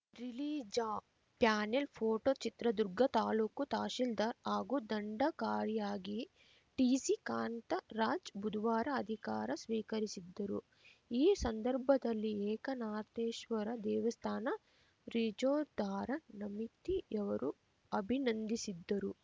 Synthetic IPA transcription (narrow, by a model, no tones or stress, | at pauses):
ɾiliːd͡ʒa | pjaːnelpʰoːʈoːt͡ʃit̪ɾɐd̪uɾɡɐt̪aːluːkut̪aːʃild̪ɐɾaːɡud̪ɐɳɖɐkaːɾijaːɡi | ʈiːsikaːɳʈ̪ɐɾaːd͡ʒbud̪ʋaːɾɐɐd̪ʱikaːɾɐsʋiːkɐɾisid̪ːɐɾu | iːsɐnd̪ɐɾbʱɐd̪ɐlːiɛːkɐnaːt̪eːʃʋɐɾɐd̪ɛːʋɐst̪ʰaːnɐ | ɾid͡ʒoːɾd̪ʱaːɾɐnɐmit̪ːiɛʋɐɾu | ɐbʱinɐnd̪isid̪ːɐɾu